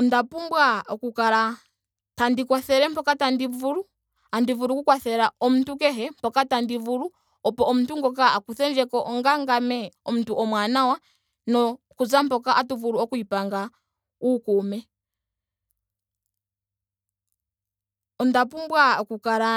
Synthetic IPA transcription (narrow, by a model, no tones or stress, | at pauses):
ɔndapumbwaɔkukaɾa | tandikwaθɛɾɛmpɔkatandivuɾu | andivuɾukukwaθɛɾaɔmutuk̬ɛɦɛm̩pɔkatandivuɾu | ɔpɔʔɔmuntuŋɡɔk̬aakuθɛnd͡ʒɛkɔʔɔŋɡaŋɡamɛɔm̩utuʔɔmwanawa | nɔ | kuzampɔkaʔatuvuɾuɔkuipaŋɡa | ukumɛ | ɔndapumbwaɔkukaɾa